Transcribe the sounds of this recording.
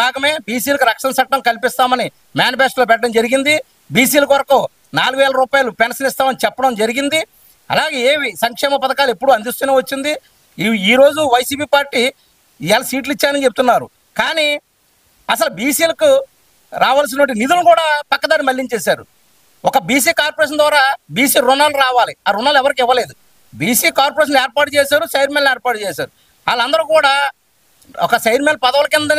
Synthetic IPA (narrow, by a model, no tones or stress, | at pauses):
aːɡɐme̞ːbiːs̬iːlɐkuɾɐkʂɐnsɐʈːɐmkɐlipist̪aːmɐni | maːnipeːsʈloːp̬ɛʈːɐɽɐmd͡ʒɐɾiɡind̪i | biːs̬iːlɐkʋɐɾɐku | naːluɡuʋɛːlɐɾuːpaːjɐlupɛnsɐnist̪aːmɐnit͡ʃɛpːɐɽɐmd͡ʒɐɾiɡind̪i | ɐ̰laːɡe̞ːeːʋisɐŋkʂɛːmɐpɐd̪ɐkaːluepːuɽuɐnd̪ist̪uːneːʋɐt͡ʃːind̪i | iːɾo̞ːd͡ʒuʋɐjɐsiːpiːpaːɾʈːiː | ɛlɐsiːʈ̬lit͡ʃːaːnikt͡ʃeput̪unːaːɾṵ | kaːni | ɐsɐlubiːsiːlɐku | ɾaːʋaːls̬inɐʋɐɳʈinid̪ulkuːɽaːpɐkːɐd̪aːɾimɐlːiɲt͡ʃeːsaːɾṵ | ɔkɐbiːs̬iːkaːɾpoɾeʃ̬ɐnd̪ʋaːɾaːbiːsiːɾunaːluɾaːʋaːliaːɾunaːlɛʋɐɾik̬ɪʋːɐle̞ːd̪u | biːsiːkaːɾpɐɾeːʃ̬ɐneːɾpaːʈut͡ʃeːsaːɾusɐjɾmenleːɾpaːɾʈut͡ʃeːsaːɾu | aːlɐnd̪ɐɾukuːɽaː | ɔkɐsɐjɾmelpɐd̪ɐʋɐlɐkind̪ɐn